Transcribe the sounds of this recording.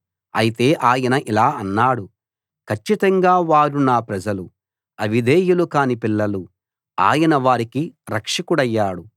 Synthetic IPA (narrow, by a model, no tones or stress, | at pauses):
ɐ̰jit̪e̞ːʔaːjɐnɐʔilaːɐnːaːɽu | kʰɐt͡ʃːit̪ɐŋɡaːʋaːɾunaːpɾɐd͡ʒɐlu | ɐʋid̪eːjulukaːnipilːɐlu | a̰ːjɐnɐʋaːɾikiɾɐkʂɐkuɽɐjːaːɽu